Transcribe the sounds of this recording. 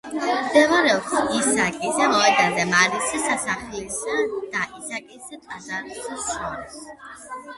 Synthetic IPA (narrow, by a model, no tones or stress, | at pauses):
md̪ɛvaɾɛɔpsisakʼisamɔɛd̪azɛmaɾisɛsasaχilsad̪̥aʔisakʼisɛt̪ʼazat̪ʼsasʃɔɾɛs